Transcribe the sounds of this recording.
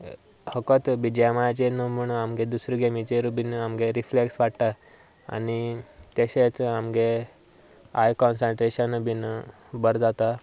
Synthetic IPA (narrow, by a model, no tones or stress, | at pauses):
həkɔt̪ʋid͡ʑjmajat͡ɕenəmuɳamɡed̪usɾiɡemit͡ɕeɾubinamɡeɾifleksʋaʈt̪a | a̰ñit̪jeɕet͡samɡe | ajkɔnsəɳʈɾeɕənubin | bəɾd͡zat̪a